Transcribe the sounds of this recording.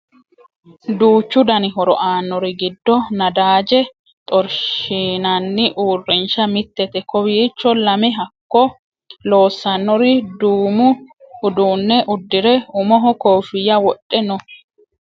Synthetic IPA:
d̪uːt͡ʃːʊd̪ɐnɪɦɔɾɔ̰ʔaːnːɔɾɪɡɪd̪ːɔnɐd̪aːd͡ʒɛ | t̪ʼɔɾʃiːnɐnːɪʔuːrːɪnʃɐmɪt̪ːɛt̪ɛkɔwiːt͡ʃːɔlɐmɪɦɐkːɔ | lo̞ːsːɐnːɔɾɪd̪uːmʊːd̪uːnːɛʔʊd̪ːɪɾɛʊmɔɦɔkoːfɪjɐwɔɗʼːɛnɔ

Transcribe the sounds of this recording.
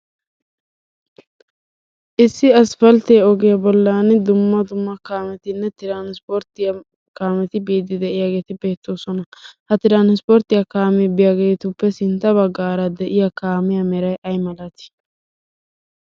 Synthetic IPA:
ʔɪsːɪɐsfɐlt̪eːɔɡɛjɐbɔlːaːnɪd̪ʊmːɐd̪ʊmːɐkaːmɛt̪ɪnːɛt̪ɪɾaːnspoɾt̪ɪjɐ | kaːmɛt̪ɪbiːd̪ːɪd̪ɛʔɪjaɡe̞ːt̪ɪbe̞ːt̪ːo̞ːsɔnɐhɐt̪ɪɾaːnspoːɾt̪ɪjɐkaːmɛbɪjaɡeːt̪ʊpːɛsɪnt̪ːɐβɐɡːaːɾɐd̪ɛʔɪjɐkaːmɪjɐmɛɾɐjʔɐjmɐlɐt̪ɪ̥

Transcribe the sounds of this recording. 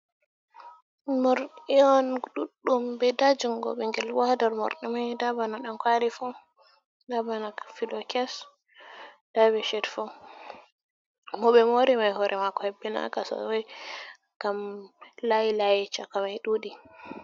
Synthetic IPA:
mɔɾɗiɔnɗuɗːumbɛdad͡ʒuŋɡɔ̰ɓɛŋɡɛlwadaɾmɔ̰ɾɗɛmajdabanaɗankwaɾifɔ | dabanafilɔkɛs | d̥aβɛʃɛdfɔ | mɔɓɛmoɾimajhɔɾʔɛmakɔhɛbːɛna̰kasa̰wɛj | ɡ̥amlajilajɛt͡ʃakamajɗudi

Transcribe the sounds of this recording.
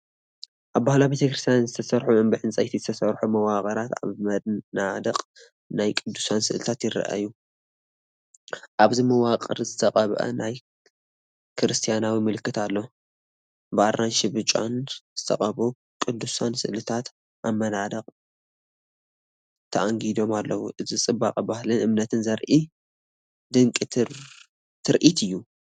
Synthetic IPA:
ʔaβbahlabe̞t̪ʰɐkɾɨst̪ʰijanzɨt̪ʰɐsɐɾħuʔɨmbɨħɨnt͡sʼɐjt̪ʰizɨt̪ʰɐsɐɾħumɐwaqʼɐɾat̪a̰βmɐnad̪ɐqʼ | najkʼɨd̪ːusansɨ̰ʔlɨt̪ʰat̪jɪɾɐ̰ʔa̰jːu | ʔaβzimɐwaqʼɐ̰ɾzɨt̪ʰɐqʼɐβʔɐ̰naj | kʰɨɾɨst̪ʰijanawimɨlɨkːɨt̪alːo | bɨʔaɾanʃɪbɨt͡ʃʼonz̥ɨt̪ʰɐ̰qʼɐβu | kʼɨd̪ːusansɨʔlɨt̪ʰat̪ | ʔamːɐnad̪ɐqʼ | t̪ʰɐʔaŋɡid̪o̞malːɐwuʔɨzit͡sʼɨbːakʼɐbahlɨnʔɨmnɐt̪ʰɨnzɐɾʔi | d̪ɨŋkʼi | t̪ʰɨɾʔit̪ʰɨjːu

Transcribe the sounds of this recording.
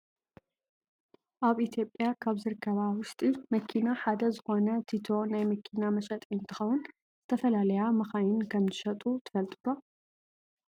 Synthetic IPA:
ʔaβit̪ʰjo̞pʼːjakʰaβzɨɾɨkʰːɐβawʊʃt̪ʼimɐkʰinaħad̪ɐzɨxo̞nɐt̪ʰit̪ʰo̞najmɐkʰinamɐʃɐt̪ʼɪnt̪ʰɨxɐwʊn | zɨt̪ʰɐfɐlalɐjamɐxajɪnkʰɐmzɨʃɐt̪ʼut̪ʰɨfɐlt̪ʼɨd̪o

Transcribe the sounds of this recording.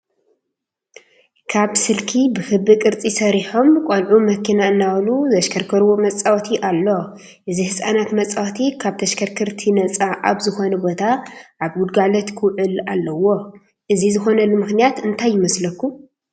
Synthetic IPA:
kʰaβsɨlkʰibɨfɨbɨkʼɨɾt͡sʼisɐɾiħo̞mkʼolʕumɐkʰinaɨnːawluzɐʃkʰɐɾkʰɐɾwomɐt͡sʼawt̪ʰiʔalːo | ʔɨzihɨsʼanat̪mɐt͡sʼawt̪ʰikʰaβt̪ʰɐʃkʰɐɾkʰɨɾt̪ʰinɐt͡sʼaʔaβzɨxo̞nɐbo̞t̪ʰaʔaβɡʊd̪̚ɡalɐt̪kʰɨwʕɨlalːɐwo̞ | ʔɨzizɨxo̞nɐlɨmɨxnijat̪ɨnt̪ʰajːɪmɐslɐkːu

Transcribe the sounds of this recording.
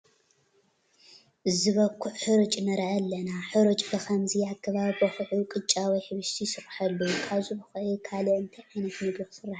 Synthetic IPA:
ʔɨzɨβɐkʰːuħħɨɾɨt͡ʃʼnɐɾʔɐlːɐnaħɨɾɨt͡ʃʼbɨxʰɐmzɨjakʰːɐβabɨxɨʕukʼɨt͡ʃʼawijħɨβɨʃt̪ʰisɨrħɐlːukʰaβzubɨxɨʔjukʰaloʔɨnt̪ʰɐjʕajnɐt̪mɨɡɾɐxsɨrːaħ

